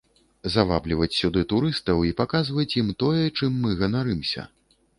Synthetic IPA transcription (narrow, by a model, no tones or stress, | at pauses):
zava̰blʲivɐt͡sʲsʲud̪ɨt̪uɾɨst̪ɐwipakazvɐt͡sʲjimt̪ɔjɛt͡ʂɨmːɨɣɐnaɾɨmsʲɐ̰